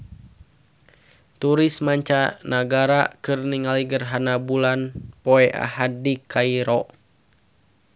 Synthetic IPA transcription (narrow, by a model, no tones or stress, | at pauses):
t̪uɾismaɲt͡ʃanaɡaɾakɨrniŋaliɡərɦanabulanpɔɛʔa̰hadikaiɾɔ